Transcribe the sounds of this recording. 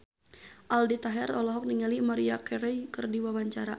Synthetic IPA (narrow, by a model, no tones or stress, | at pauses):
ʔaldit̪aɦɛrɔlɔɦɔk̚niŋalimaɾiakɛɾɛjkɨrdiwawaɲt͡ʃaɾa